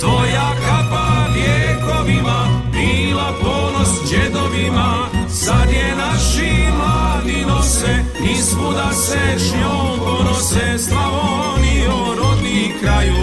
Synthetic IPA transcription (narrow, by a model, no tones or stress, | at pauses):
t̪ojakakaʋjeːkoʋimabilaponosd͡ʒed̪oʋima | sad̪jenaʃimaninosɛ | ispud̪aseʃɲomponosɛslao | nioɾod̪nikɾaju